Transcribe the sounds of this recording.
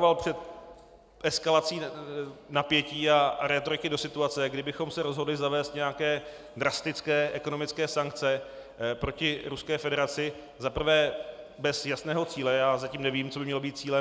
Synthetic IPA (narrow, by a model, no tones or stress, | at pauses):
valpr̝̥ɛt̪ | ʔɛskalat͡siːnapjɛciːaɾɛt̪oɾɪkɪdo̞sɪt̪uat͡sɛɡdɪbɪxo̞msɛɾo̞zɦo̞dlɪzavɛːst̪ɲɛjakɛː | dɾast̪ɪt͡skɛːʔɛko̞no̞mɪt͡skɛːsaŋk̚t͡sɛ | pɾo̞cɪɾuskɛːfɛdɛɾat͡sɪ | zapr̩vɛː | bɛsjasnɛːɦo̞t͡siːlɛjaːzaciːmnɛviːmt͡so̞bɪmɲɛlobiːt̪̚t͡siːlɛ